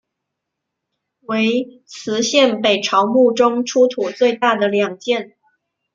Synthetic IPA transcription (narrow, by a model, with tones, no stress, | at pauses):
we˧˥ɪ | t͡sʰɹ̩˧˥ɕjɛ˥˩npe˨˩ɪʈ͡ʂʰɑ˧˥ʊmu˥˩ʈ͡ʂʊ˥ŋʈ͡ʂʰu˥t̪ʰu˨˩t͡swe˥˧ɪt̪a˥˩d̪ə˩ljɑ˨˩ŋt͡ɕjɛ˥˩n